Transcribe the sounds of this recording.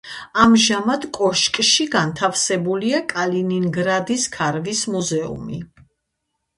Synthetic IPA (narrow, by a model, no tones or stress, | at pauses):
amʒamad̪kʼɔʃkʼʃiɡant̪ʰafsɛbuliakʼalininɡɾad̪iskʰaɾvismuzɛṵmi